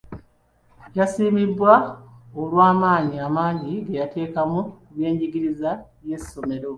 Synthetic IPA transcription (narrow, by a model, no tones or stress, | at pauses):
jasiːmidːwaolwaːmaːɲiamaːɲɟiɡejatʰe̞ːkamuβje̞ːɲɟiɡiɾiza | je̞sːo̞me̞ɾo̞